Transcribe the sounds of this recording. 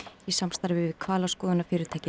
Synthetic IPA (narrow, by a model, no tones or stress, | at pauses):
isamst̪aɾvɪvɪɪ̥kʰvaːlawskɔːðʏnafɪːɾɪɾt̪ʰaːjcɪ